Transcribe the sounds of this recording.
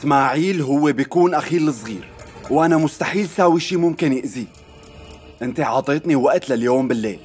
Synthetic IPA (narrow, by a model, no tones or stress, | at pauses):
ʔɪsmaːʕiːlɦʊwːebjkuːnʔaxiːlɨsˤɣḭːɾwʔanamʊst̪aħiːlsaːwiʃiːmʊmkɪnjɪʔzi | ʔɪnt̪eʕɑːt̪ˤeːt̪niwaʔt̪laljoːmbɪlːḛːl